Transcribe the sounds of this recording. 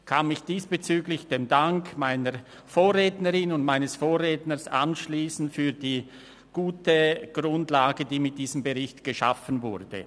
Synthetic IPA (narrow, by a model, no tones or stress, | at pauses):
kʰanɪçd̥iːsb̥ət͡syːɡlɪçd̥eːmdaŋkmaɪnə | foːʁeːtnəʁɪnʊntmaɪnəsfoːʁeːtnəsa̰nʃliːsn̩fyːdiː | ɡ̥uːtəɡ̥ʁʊndlaːɡədiːmɪt̚d̥iːzəmbəʁɪçtɡ̥əʃa̰fənvʊʁd̥ə̰